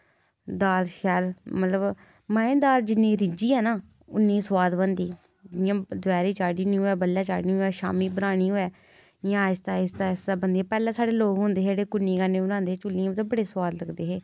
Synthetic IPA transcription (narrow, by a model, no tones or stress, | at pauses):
d̪aːlʃɛːlmət̪ləb | mɛ̃ːẽd̪aːld͡ʒɪnːĩːɾɪd͡ʒiːɛːnaː | ʊnːĩːswaːd̪bənd̪iː | jãːd̪ʊɛːɾiːt͡ʃaːɽiːnĩːɦoːɛːbəlːaːt͡ʃa̰ːɽnĩːɦoːɛːʃa̰ːmiːbəɾaːɽ̃iːɦoːɛː | jãːɪst̪aːɪst̪aːɪst̪aːbənd̪iːɛːpɛːlãːsaːɽeːloːɡɦʊ̃ːnd̪eːɦeɽeːkʊnːiːkãːnẽːʊnãːnd̪eːt͡ʃʊlːĩãt̪aːbəɽeːswaːd̪ləɡd̪eːɦeː